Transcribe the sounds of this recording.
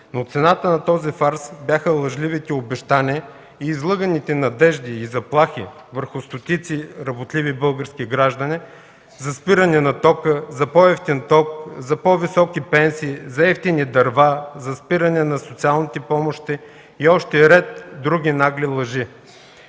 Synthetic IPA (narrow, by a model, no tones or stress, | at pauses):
not̪sɛnat̪ənɐt̪ɔzifaɾsbʲjaxəlˠɐʒlivit̪ɛobɛʃt̪aniə | iːzlˠɤɡənit̪ɛnɐd̪ɛʒd̪iːzɐplˠaxivəɾxʊst̪ot̪it̪siɾɐbot̪lʲivibɤlˠɡəɾskʲiɡɾaʒd̪ɐni | zɐspiɾɐnɛnɐt̪ɔkəzɐpɔɛft̪ɛnt̪ɔkzɐpɔvisɔkipɛnsiːzɐɛft̪inid̪ɐɾvazɐspiɾɐnɛnɐsot̪sialˠnit̪ɛpɔmoʃt̪iː | ɔʃt̪ɛɾɛt̪̚d̪ɾuɡʲinaɡlilˠɐʒi